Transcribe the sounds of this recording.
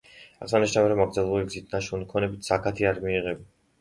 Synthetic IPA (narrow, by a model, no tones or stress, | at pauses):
a̰χsaniʃnaviɾɔmaɡɾd̪zɛlˠɛbuliɡzit̪ʰnaʃunikʰɔnɛbit̪ʰsakʰat̪ʰiaɾmiːʁɛbi